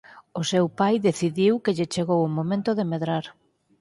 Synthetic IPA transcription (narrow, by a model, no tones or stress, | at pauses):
ʊsewpajðeθiðiwkɪʎɪt͡ʃeɣowʊmomẽnt̪ʊðemeðɾaɾ